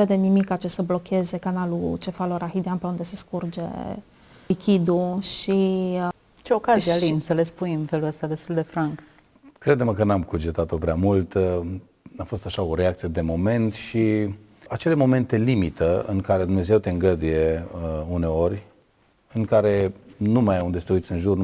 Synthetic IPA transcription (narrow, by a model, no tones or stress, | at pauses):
ve̞d̪e̞nimikːat͡ʃe̞səblo̞kʲʰe̞ze̞kanalut͡ʃe̞faloɾaxid̪eanpe̞und̪e̞se̞skurd͡ʒe̞̰ | likʲid̪uʃi | t͡ʃeokazialimsəle̞spunɨmfe̞luəst̪ad̪e̞st̪uld̪e̞fɾaŋk | kɾe̞d̪eməkənamkud͡ʒet̪at̪o̞pɾeamult̪ | afo̞st̪aʃao̞ɾeak̚t̪sije̞d̪e̞mo̞me̞nt̪ʃi | at͡ʃe̞le̞mo̞me̞nt̪e̞limit̪əɨ̰ŋkaɾe̞d̪umne̞ze̞wt̪e̞ɨŋɡəd̪uje̞une̞o̞rʲ | ɨŋkaɾe̞numajund̪est̪euit̪sʲɨnʒurn